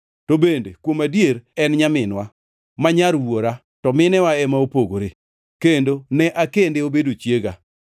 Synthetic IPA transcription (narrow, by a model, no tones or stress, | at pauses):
tobendekwomadjeɾɛnɲamɪnwa | maɲaɾwoɾa | tɔmɪnɛwaɛmaopoɡoɾe | kendonɛʔakendeobedot͡ʃjeɡa